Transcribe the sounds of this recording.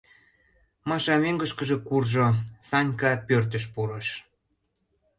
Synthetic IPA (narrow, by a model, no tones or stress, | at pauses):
mɑʃɑmeŋɡəʃkəʒĕkurʒosɑnʲkɑpørt̪əʃ̬puɾəʃ